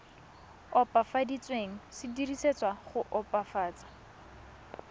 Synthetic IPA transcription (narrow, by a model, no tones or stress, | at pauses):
ɔpʼafadit͡sʼweŋ̩sɪdiriset͡sʼwaχʊʔɔpʼafaːt͡sḁ